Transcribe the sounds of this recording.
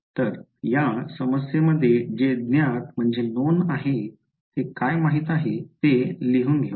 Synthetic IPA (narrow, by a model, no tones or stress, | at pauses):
t̪əɾ | jasəməsjeməd̪ʱːjed͡ʑed̪njat̪m̤əɳd͡zenonaɦe | t̪ekajmaɦiːt̪aɦet̪eliɦuːnɡʱe